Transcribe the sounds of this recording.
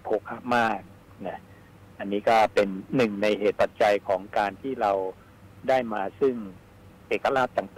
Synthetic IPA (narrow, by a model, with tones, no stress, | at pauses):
pʰoː˧˩kʰːa˥˩p̚maː˥˩k̚ | na˦˥ | ʔa˧nːiː˦˥kɔː˥˩pe˧nːɯ˨˩ŋna˧jɦeː˨˩t̪̚pa˨˩t̪̚t͡ɕa˧jkʰɔː˩˦ŋkaː˧nt̪ʰiː˥˩ɾa˧w | daː˥˩jmaː˧sɯ˥˩ŋ | ʔeː˨˩kːa˧laː˥˩t̪ːa˨˩ŋt̪aː˨